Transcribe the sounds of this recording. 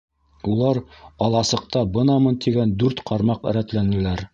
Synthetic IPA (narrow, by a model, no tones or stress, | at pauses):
ulˠɑɾɑlˠɑsɤ̆q̚t̪ɑbɤ̆nɑmɤnt̪ʰiɡænd̪ʉɾt̪qʰɑɾmɑqɘ̆ɾæt̪lænɘ̆læɾ